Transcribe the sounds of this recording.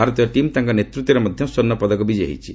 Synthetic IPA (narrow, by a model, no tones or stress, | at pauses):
aɾɔt̪ɔaʈimt̪ãŋkɔnet̪ɾut̪ːɔɾemɔd̪ʱjɔ̃sɔnːɔpɔd̪ɔkɔbid͡ʒḛɦḭt͡ʃʰi